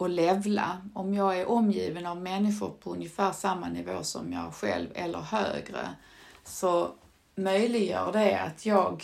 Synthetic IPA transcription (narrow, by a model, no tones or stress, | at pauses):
ɔlɛvla̰ɔmjɑːɡæɾʔɔmːjiːvənavmɛnːɪɧʊɾpʰɔɵnjəfæːɾʂamːanɪvoːsɔ̰mjɑːæɧɛ̰lvɛlːə̰ɾhø̰ːɡɾə̰ | sɔ | mœjlɪɡjœ̰ːɖɛa̰t̪ʰjɑːɡ